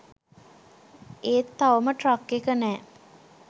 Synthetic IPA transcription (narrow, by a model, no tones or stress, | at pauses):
eːt̪ːaʋəməʈrakːekənɛː